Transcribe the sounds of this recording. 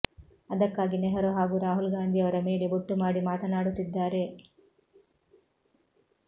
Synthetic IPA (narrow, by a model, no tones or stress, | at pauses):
ɐd̪ɐkːaːɡinɛɦɐɾoɦaːɡuɾaːɦulɡaːnd̪ʱiɐʋɐɾɐmeːle̞buʈːumaːɽimaːt̪ɐnaːɽut̪ːid̪ːaːɾe̞